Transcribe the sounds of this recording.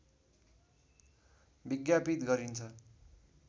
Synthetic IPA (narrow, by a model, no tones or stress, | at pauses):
biɡjapit̪ɡʌɾint͡sʰʌ